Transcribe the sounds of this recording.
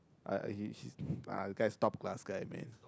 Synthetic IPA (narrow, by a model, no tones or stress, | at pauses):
ʔa̰a̰hihia̰əɡajstɔp̚ɡlasɡ̥ajmɛ̰̃n